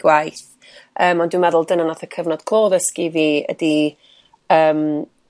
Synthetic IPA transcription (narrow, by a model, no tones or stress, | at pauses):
wajθ | əːmɔndwɪmɛðʊlˠdənənaθəkʰəvnɔd̥kʰl̥ˠoːðəskiviːə̰di | əːm